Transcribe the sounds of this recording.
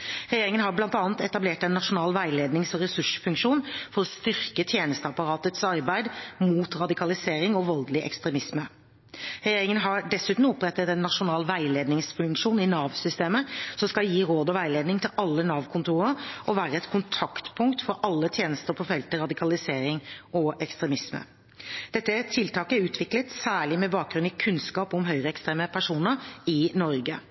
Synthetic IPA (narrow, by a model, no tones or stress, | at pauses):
ɾɛjeːɾɪŋənɦɑɾblɑnt̪ɑːnt̪ɛt̪ɑbleːʈɛnːɑʂʊnɑːlʋæɪleːd̪nɪŋsɔɾɛsʉʂfʉŋkʂuːnfɔɾɔst̪ʏɾkət̪ʰjeːnəst̪əɑpɑɾɑːt̪ət̪sɑɾbæɪd̪muːt̪ɾɑd̪ɪkʰɑlɪseːɾɪŋɔʋɔld̪lɪʔɛ̰kst̪ɾɛmɪsmə | ɾɛjeːɾɪŋənɦɑɖɛsʉːt̪nɔɔpɾɛt̪ːət̪ɛnːɑʂʊnɑːlʋæɪleːd̪nɪŋsfʉŋkʂuːnɪnɑːʋsʏst̪eːməsɔmskɑljiːɾoːd̪ɔʋæɪleːd̪nɪŋt̪ʰɪlʔɑlːənɑːʋkʰʊnt̪ʰuːʁəɾʔɔʋæːɾəɛt̪kʰʊnt̪ʰɑkt̪pʰʊŋkt̪fɔɾʔɑlːət̪ʰjeːnəst̪əɾpʰɔfɛlt̪əɾɑd̪ɪkʰɑlɪseːɾɪŋʔɔɛkst̪ɾɛmɪsmə̰ | d̪̥ɛt̪ːət̪ʰɪlt̪ʰɑːkəʉːt̪ʰʋɪklət̪sæːɭɪmɛbɑːk̚ɡɾʉnɪkʰʉnskɑːpʊmɦœʏʁəɛkst̪ɾeːməpʰæʂuːnəɾɪnɔɾɡə